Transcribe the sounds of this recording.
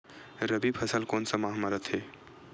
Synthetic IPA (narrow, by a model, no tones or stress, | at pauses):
ɾəbipʰəsəlkoːnsəmaɦməɾət̪ʰɦe